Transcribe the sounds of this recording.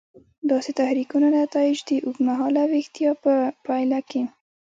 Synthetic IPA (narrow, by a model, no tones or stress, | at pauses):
d̪ɑset̪ahɾikunanat̪ɑɪd͡ʒd̪əʔukmaɦɑlawext̪ijɑpəpajlake